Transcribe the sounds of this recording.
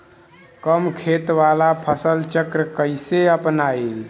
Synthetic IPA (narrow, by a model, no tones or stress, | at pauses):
kəmkʰet̪ʋalapʰəsəlt͡ʃəkɾəkəɪseəpnail